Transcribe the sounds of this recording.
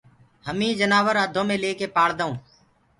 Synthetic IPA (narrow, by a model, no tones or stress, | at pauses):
ɦəmĩːd͡ʒənaːʋəɾəd̪ʱõːmẽːleːkeːpaːɽd̪aũː